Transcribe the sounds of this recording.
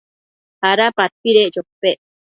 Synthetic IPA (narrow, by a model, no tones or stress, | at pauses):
haɾapapiɾeʔt͡ʃopːeʔ